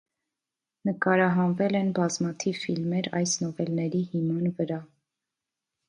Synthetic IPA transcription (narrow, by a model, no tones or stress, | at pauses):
nəkɑɾɑɦɑnvɛlɛnbɑzmɑt̪ʰivfilmɛɾɑ̰jsnɔvɛlnɛɾihimɑnvəɾɑ